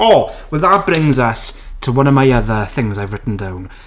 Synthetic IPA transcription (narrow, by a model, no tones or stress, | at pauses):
ɔwɛðatbrɪ̃ŋzəstʰəwʌnɔmajəðəθɪ̃ŋzajvɹɪtn̩dawn